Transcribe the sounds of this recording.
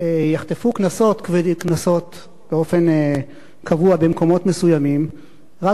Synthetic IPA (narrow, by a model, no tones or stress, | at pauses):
ejaχt̪efuknaso̞t̪kvedknaso̞t̪ | beo̞fe̞n | kʰavuabe̞mko̞mo̞tme̞sujamim | ʁa